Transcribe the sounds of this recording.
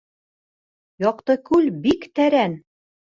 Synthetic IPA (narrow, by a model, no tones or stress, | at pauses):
jɒqt̪ɤkʉlbikt̪æɾæn